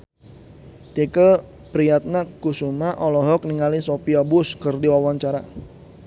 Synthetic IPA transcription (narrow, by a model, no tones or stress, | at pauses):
t̪ikə | pɾijat̪̚nakusumaʔɔlɔɦɔk̚niŋalisopiabʊskərdiwawaɲt͡ʃaɾa